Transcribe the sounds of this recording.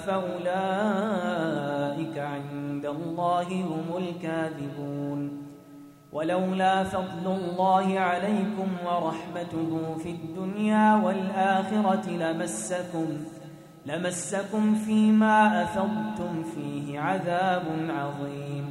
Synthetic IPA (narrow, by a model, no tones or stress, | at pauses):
faʔʊlaː | ʔɪkaʕɪnd̪alˤːɑːɦɪhʊmʊlkaːðɪbuːn | wʔalawlaːfɑd̪ˤlʊlˤːɑːhɪʕalajkʊmwɑɾˤɑħmat̪ʊɦʊːfiad̪ːʊnjaːwalʔaːxɪɾɑɪlamasːakʊm | lamasːakʊmfiːmaːʔaθɑðˤt̪ʊmfiːhɪʕaðaːbʊnʕɑðˤiːm